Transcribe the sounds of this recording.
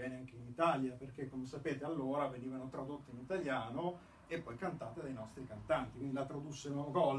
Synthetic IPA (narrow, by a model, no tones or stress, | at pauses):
ɛːneaŋk̟einit̪aljaperk̟ekːomesapeːt̪ealːoːɾaveniːvanot̪ɾad̪ot̪ːiinit̪aljaːno | epːɔjkant̪aːt̪ed̪ajnɔst̪ɾikant̪ant̪i̥kwind̪ilat̪ɾad̪usːenoɡɔlː